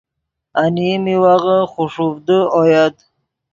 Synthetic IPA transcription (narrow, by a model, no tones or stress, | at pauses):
animiwaʁəχuʂufd̪əojad̪